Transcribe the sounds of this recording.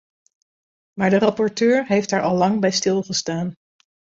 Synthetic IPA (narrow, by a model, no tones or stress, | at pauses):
maːɹdərɑpɔɹtøːɹɦejftɦaːɹʔɑlˠlɑŋbɛjstɪlˠχəstaːn